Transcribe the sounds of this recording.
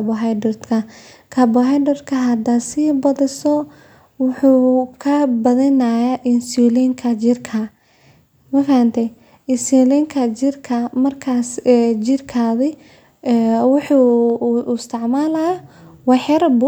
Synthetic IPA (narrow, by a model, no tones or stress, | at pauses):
bɔɦajɖɔrt̪kʰɐ | kʰɐbɔɦɛjɖɔrd̪kʰɐɦɐd̪ɐsiːbɐðɪsɔ | wʊħuːkʰɐbɐðɐnajɐʔɪnsulɛŋkʰɐt͡ʃɪrkʰɐ | mɐkant̪ʰɛ | ɪsilɛŋkʰɐt͡ʃɪrkʰɐmɐrkʰaːsɛd͡ʒɪrkʰaðɛ | wʊħuːʊst̪ʰɐʕmaːlɐjɐwɑħɐɾbʊ